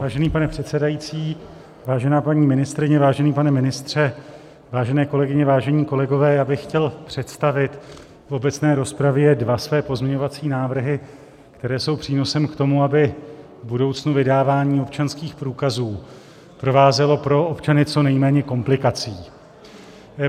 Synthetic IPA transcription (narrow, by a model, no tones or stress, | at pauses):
vaːʒɛniːpanɛpr̝̥ɛt̪sɛdajit͡siː | vaːʒɛnaːpaɲiːmɪnɪst̪ɾɪɲɛvaːʒɛniːpanɛmɪnɪst̪r̝̥ɛ | vaːʒɛnɛːko̞lɛɡɪɲɛvaːʒɛɲiːko̞lɛɡo̞vɛːjaːbɪxxcɛlpr̝̥ɛt̪st̪avɪt̪ | fo̞bɛt̪t͡snɛːɾospɾavjɛɛdvasvɛːpo̞zmɲɛɲo̞vat͡siːnaːvr̩ɦɪ | kt̪ɛɾɛːso̞wpr̥iːno̞sɛmkt̪o̞muabɪ | vbudo̞wt͡snuvɪdaːvaːɲiːo̞pt͡ʃanskiːxpɾuːkazuː | pɾo̞vaːzɛlo̞pɾo̞ʔopt͡ʃanɪt͡so̞nɛjmɛːɲɛko̞mplɪkat͡siː